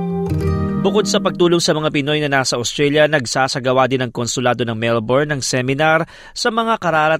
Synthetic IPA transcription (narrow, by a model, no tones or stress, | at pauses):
bʊko̞d̪̚sɐpɐɡ̚t̪uːloŋsɐmɐŋapɪno̞jnɐnaːsɐʔost̪ɾɛljɐnɐɡsaːsɐɡɐwad̪ɪnɐŋkonsʊlaːd̪onɐŋmɛlboɹnɐŋsɛmɪnaɾ | sɐmɐŋakɐɾaːɾɐ